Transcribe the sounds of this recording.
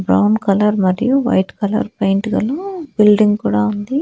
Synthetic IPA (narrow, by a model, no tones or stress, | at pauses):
bɾɐ̰wnkɐlɐɾmɐɾijuʋɐ̰jʈkɐlɐ̰ɾpɐjɳʈɡɐlobilɖiŋɡkuːɽaːund̪i